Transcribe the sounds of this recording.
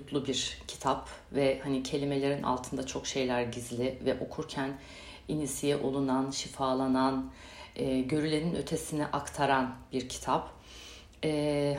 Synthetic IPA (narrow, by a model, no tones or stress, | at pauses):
t̪lˠubiɾcʰi̥t̪ʰap | vɛhanicʰe̞lʲimelʲe̞ɾinʔa̰lˠt̪ʰɯnd̪at͡ʃʰo̞kʃe̞jlʲæɾɟizlʲɪvɛʔo̞kʰuɾcʰæn | inisijɛʔolˠunanʃifaːlˠanan | ɛɟø̞ɾylʲeninø̞t̪ʰe̞siniʔakt̪ʰaɾanbiɾcʰi̥t̪ʰap | ɛ